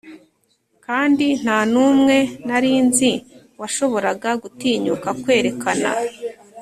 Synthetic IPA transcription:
kaːndin̥hanuːmŋe̞naɾiːnzi | waʃo̞βo̞ɾaɡaɡutiːɲukakwe̞ːɾe̞kʰana̰

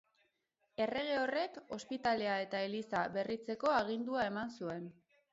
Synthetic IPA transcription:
e̞re̞ɣ̞e̞o̞re̞ko̞spit̪ale̞ae̞t̪aelisaβe̞rit͡se̞ko̞aɣ̞ind̪uae̞mansue̞n

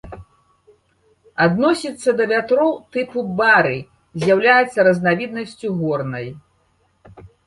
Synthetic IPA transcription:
ad̪nɔsʲit̪sːɐd̪ɐvʲat̪ɾɔwt̪ɨpubaɾɨ | zʲjawlʲajɛt̪sːɐɾɐznavʲid̪nɐsʲt͡sʲuɣɔrnɐj

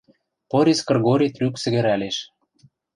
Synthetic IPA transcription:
poɾʲeskɤ̆rɣoɾʲit̪ryksɘ̆ɣɘ̆ɾæleʃ

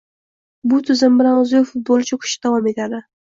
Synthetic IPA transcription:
bʊt̪ʰʊzɪmbɪɾanozɪjefʊt̪̚bolˠt͡ʃʰakʲʰʊ̥ʃɪd̪̥avɑme̞t̪ad̪ɪ

